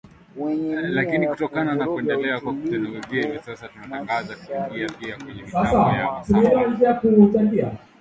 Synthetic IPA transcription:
lakinikutɔkananakuɛndɛlɛakwakutɛnɛwɛziaivisasatunataŋɡazatɡiapiakwɛɲɛisasaatumɛlaaid͡ʒakutaŋɡia̰

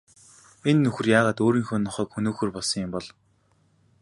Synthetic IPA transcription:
enːɵxɵ̆rjaːʁaːt̪oːɾiːŋxɵːnːɔχœːkxɵnoːxɵ̆ːrpɔɮsɞ̆ŋjʊmpɔɮ

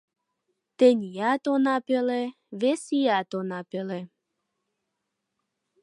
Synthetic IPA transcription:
t̪enijat̪onapelɛ | vesijat̪onapelɛ

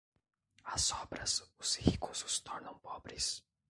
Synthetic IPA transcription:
ɐzɔbɾɐsʊsihikusʊ̥st̪ʰɔɾnɐ̃w̃pɔbɾɪs

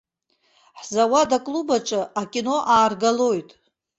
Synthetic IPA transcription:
ħzawadakʼlubaʈ͡ʂʼɨakʲʼino̞ʔaːrɡalo̞jtʼ

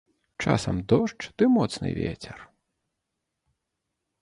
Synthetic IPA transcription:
t͡ʂa̰sɐmd̪ɔʂt͡ʂd̪̥ɨmɔt̪snɨ̰vʲɛt͡sʲɛr

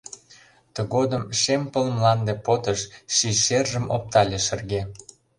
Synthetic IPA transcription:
t̪ə̆ɣod̪əmʃempəlmlɑnd̪epot̪əʃʃiʃerʒəmo̰p̚t̪ɑlʲeʃə̆rɣe

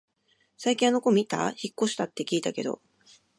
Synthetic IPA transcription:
saikʲĩanoko̞mʲit̪a̰çikːo̞ɕi̥t̪at̪ːe̞kʲiːt̪ake̞d̪o̞̰

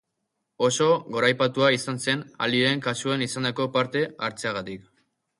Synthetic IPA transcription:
o̞so̞ɣo̞ɾajpat̪uaisanse̞na̰liɾe̞ŋkasuenisand̪ako̞paɾt̪e̞aɾt͡seaɣ̞at̪ik

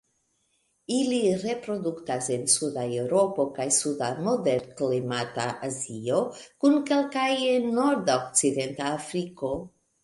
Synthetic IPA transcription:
iliɾe̞pɾo̞duktase̞nsudaewɾo̞po̞kajsudamo̞deɾklimataʔazio̞kunke̞lkajno̞ɾd̪aokt͡side̞ntaːfɾiko̞

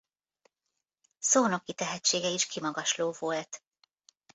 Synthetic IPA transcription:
soːno̞kːit̪ɛɦɛt͡ʃːeːɡɛiʃkimɒɡɒʃloːvolt̪

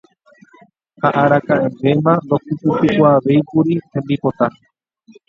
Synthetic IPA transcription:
haʔaɾakãʔẽ̞mbẽ̞mãnd̪o̞kɨpɨpɨkʷaʋe̞jkuɾihẽ̞mbipo̞t̪a

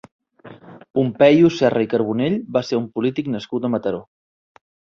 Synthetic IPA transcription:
pumpɛjusɛrəikəɾβ̞uneʎbaseɾumpulit̪iknəskut̪əmət̪əɾo

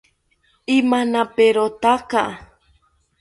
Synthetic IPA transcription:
imanãpeɾot̪aka

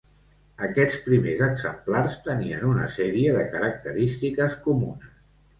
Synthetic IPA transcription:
əkɛt͡spɾimezəɡzəmplarst̪əniənunə̰sɛɾiəðəkəɾək̚t̪əɾist̪ikəskumunəs

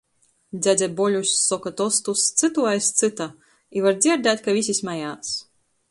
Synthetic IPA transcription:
d̪zʲæzʲabɔlʲusʲsɔkat̪ɔst̪ust̪sɨt̪uajst̪sɨt̪a | ivaɾd̪zʲiɛɾd̪æt̪ʲkavʲisʲismajaːs

